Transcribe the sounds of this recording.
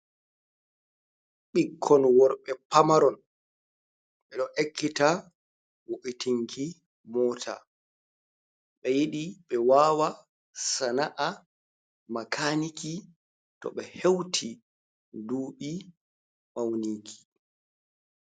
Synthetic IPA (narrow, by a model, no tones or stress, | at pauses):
ɓikʰːɔnwɔɾɓɛpamaɾɔn | ɓɛɗɔʔekʰːita | woʔitiŋkʰi | mɔːtʰa̰ | ɓɛjiɗiɓɛwaːwa | sanaʔa | makʰaniki | tɔ̰ɓɛhewtʰi | duːɓi | mawniŋkʰi̥